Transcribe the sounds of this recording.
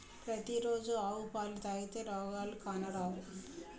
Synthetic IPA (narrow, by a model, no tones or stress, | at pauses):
pɾɐt̪iɾo̞ːd͡ʒuaːwupaːlit̪aːjit̪eːɾɔːɡaːlukaːnɐɾaːwu